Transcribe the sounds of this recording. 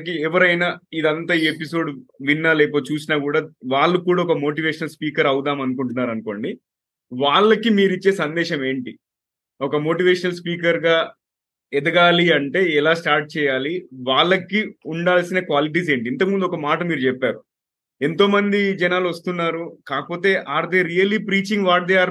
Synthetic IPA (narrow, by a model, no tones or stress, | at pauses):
kiɛʋɐɾɐjnaid̪ɐnt̪aːiːepiso̞ːɖʋinːaːleːp̬oːt͡ʃuːs̬inaːk̬uːɽaːʋaːɭːukuːɽaːɔkɐmo̞ːʈ̬iʋeːʃɐnɐlspiːkɐɾɐwud̪aːmɐnukuɳʈunːaːɾɐnuko̞̰ːɳɖi | ʋaːɭːɐkimiːɾit͡ʃːe̞ːsɐnd̪ɛːʃɐme̞ːɳʈi | ɔkɐmo̞ːʈiːʋɛːʃɐnɐlspiːkɐɾɡaː | ɛd̪ɐɡaːliɐɳʈe̞ːɛlaːsʈaːɾʈ̚t͡ʃɛːjaːliʋaːɭːɐkːiuɳɖaːlsinɐkʋaːliʈ̬iːs̬e̞ːɳʈiint̪ɐkmund̪uɔkɐmaːʈɐmiːɾut͡ʃɛpːaːɾu | ent̪o̞ːmɐnd̪id͡ʒɛnaːlʋɐst̪unːaːɾukaːkɐpo̞ːt̪e̞ːʔaːɾd̪eːɾijɐlːiːpɾiːt͡ʃiŋɡʋaːɾd̪ɐjaːɾ